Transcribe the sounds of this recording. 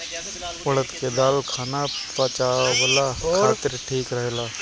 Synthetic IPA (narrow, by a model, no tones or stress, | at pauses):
ʊɽət̪ked̪aːlkʰaːnapat͡ʃaːʋəlaːkaːt̪ɪɾʈʰiːkɾəɦelaː